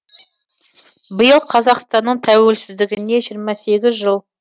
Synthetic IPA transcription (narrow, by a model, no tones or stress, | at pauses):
bəjəlˠqʰɑzɑqst̪ɑnːəɴt̪ʰæwe̞lsɪzd̪ɪɡʲɪne̞ʒijɾmɑse̞ɡʲɪzʒəlˠ